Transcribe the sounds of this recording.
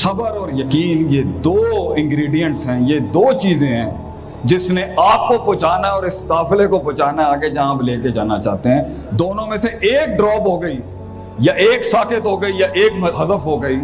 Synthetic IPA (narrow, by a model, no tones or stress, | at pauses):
sɐbəɾɔːɾjɐkiːnjed̪oːɪ̃ŋɡɾiːɖijə̃ɳʈsɦɛ̃ːjed̪oːt͡ʃiːzẽɦɛ̃ː | d͡ʒɪsneaːp̚kopʊːt͡ʃaːnaɔːɾɪst̪aːflekopoːt͡ʃaːnaaːɡed͡ʒɐɦãːbleːked͡ʒaːnat͡ʃa̰ːt̪eɦɛ̃ː | d̪oːnõmẽseʔeːk̚ɖɾɔːpɦoːɡəiː | jaʔeːksaːkɪt̪ɦoːɡəijaʔeːkɦɐzəfɦoːɡəiː